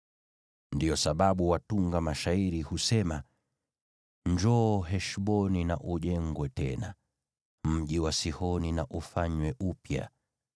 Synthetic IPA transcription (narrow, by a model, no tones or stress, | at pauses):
ndijɔsaɓaɓuwatuŋɡamaʃaiɾihusɛma | ɲd͡ʒɔːɦɛʃɓɔninaʔuʄɛŋɡwɛtɛna̰ | m̩ʄiwasihɔninaʔufaɲwɛʔupja̰